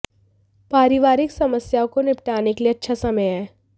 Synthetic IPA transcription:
paːɾɪʋaːɾɪksɐməsjakonɪp̚ʈaːnekelieɐtːʃʰasɐməjɦɛː

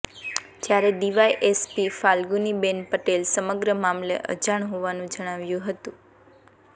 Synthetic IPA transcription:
d͡ʒjaɾed̪iʋajʔespifalɡunibenpəʈelsəməɡɾəmamlḛʔə̰d͡ʒaɳ̃ɦoʋanũd͡ʒəɽ̃aʋjũɦət̪ũ

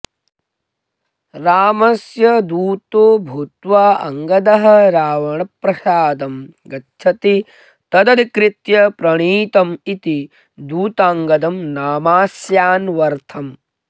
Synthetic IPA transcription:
ɾaːmɐsjɐd̪uːt̪obʱut̪ʋaːɐ̰ŋɡɐd̪ɐɦɐ̆ɾaːʋɐɳɐpɾɐsaːd̪ɐmɡɐtːʃʰɐt̪i | t̪ɐd̪ɐd̪ikɾit̪jɐpɾɐɳiːt̪ɐmit̪i | d̪uːt̪aːŋɡɐd̪ɐmnaːmaːsjaːnʋɐɾt̪ʰɐm

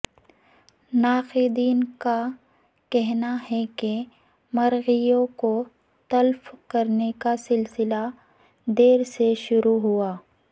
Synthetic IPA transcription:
naːxid̪iːnka | kɛɦnaɦɛke | mɐɾɣijõko | t̪ɐlfkɐɾnekasɪlsɪla | d̪eːɾseʃʊɾuɦuaː

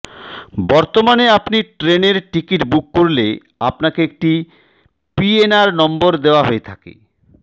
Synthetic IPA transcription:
bɔɾt̪omaneapniʈɾeneɾʈikiʈbukːoɾle | apnakeek̚ʈi | pienaɾnɔmboɾd̪eoaɦoet̪ʰakḛ

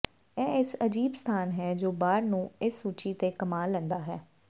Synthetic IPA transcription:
ɛ̃ːɪsəd͡ʒiːbst̪ʰaːnɦɛːd͡ʒoːbaːɾnũːɪsːuːt͡ʃiːt̪eːkəmaːlɛ̃ːnd̪aːɦɛː

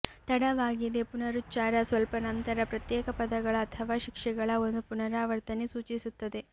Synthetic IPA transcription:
t̪ɐɽɐʋaːɡid̪e̞punɐɾut̪ːt͡ʃaːɾɐsʋɐlpɐnɐnt̪ɐɾɐpɾɐt̪jɛːkɐpɐd̪ɐɡɐɭɐːt̪ʰɐʋaːʃikʂɛɡɐɭɐo̞nd̪upunɐɾaːʋɐɾt̪ɐnesuːt͡ʃisut̪ːɐd̪e̞

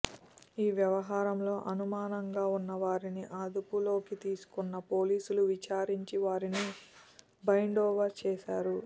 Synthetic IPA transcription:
iːʋjɐʋɐɦaːɾɐmlo̞ːʔɐnumaːnɐŋɡaːunːɐʋaːɾiniʔaːd̪upulo̞ːkit̪iːsu̥kunːɐpo̞ːliːsuluʋit͡ʃaːɾiɲt͡ʃiʋaːɾini | bɐjɳɖɔːʋɐt͡ʃɛːʃa̰ːɾu

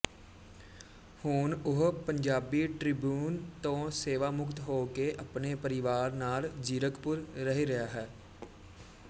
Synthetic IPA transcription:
hʊːnʊɦpəɲd͡ʒaːbiːʈɾɪbjuːnt̪õːseːʋaːmʊkt̪ɦoːkeʔəpneːpəɾɪʋaːɾnaːld͡ʒiːɾəkpʊɾːəɦeɾəjaːɦɛː

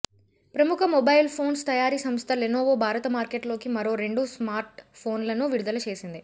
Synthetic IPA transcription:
pɾɐmukʰɐmɔbɐjilpʰo̞ːnst̪ɐjaːɾiːsɐmst̪ʰɐlenoːʋoːbʱaːɾɐt̪ɐmaːɾkeʈlo̞ːkimɐɾo̞ːɾe̞ɳɖusmaːɾʈpʰo̞ːnlɐnuʋiɾud̪ɐlɐt͡ʃe̞ːsind̪i

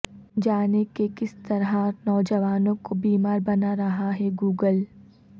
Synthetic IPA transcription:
d͡ʒaːnekekɪst̪ɐɾɦanɔːd͡ʒɐʋaːnõkobiːmaːɾbɐnaɾɐɦaɦɛɡuːɡəl

